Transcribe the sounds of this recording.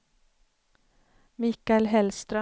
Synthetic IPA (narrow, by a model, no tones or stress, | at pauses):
mɪːkaɛlɦɛlst̪ɾœ